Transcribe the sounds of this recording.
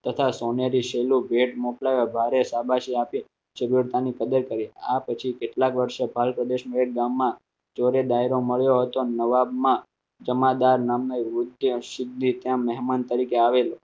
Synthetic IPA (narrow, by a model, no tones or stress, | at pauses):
t̪ət̪ʰasoneɾiʃelũbʱeʈmoklaʋebʱaɾesabʱaʃiapi | ʃəɾiɾt̪anikəd̪əɾkəɾiapət͡ʃʰikeʈlakʋəɾʃebʱalpɾəd̪eʃmʋeʈ̚ɡamːã | t͡ʃoɾed̪aiɾoməɭjoɦət̪onəʋabmã | d͡ʒəmad̪aɾnamnəʋʊd̪ʱjəʃɪd̪nit̪jãmɛɦmant̪əɾikeaʋelo